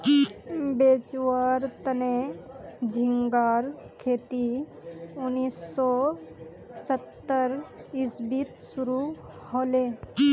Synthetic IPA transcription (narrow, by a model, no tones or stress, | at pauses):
beːt͡ʃwaːɾt̪əne | d͡ʒʱiŋɡaːɾkʰeːt̪i | ʊniːsːɔ | sət̪ːəɾisbit̪suɾu | hole